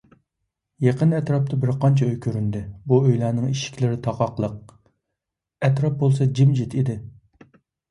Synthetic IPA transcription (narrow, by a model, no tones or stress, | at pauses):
jeqənɛt̪ɾɑp̚t̪ʰɑbɪɾqʰɑnt͡ʃʰɛøjkʲʰøɾynd̪ɪbuøjlæːnɨŋiʃi̥kʲlɪɾɪt̪ʰɑqɑqlˠəq̚ | ɛt̪ɾɑp̚bolˠsɑd͡ʒimd͡ʒit̪ʰid̪ɪ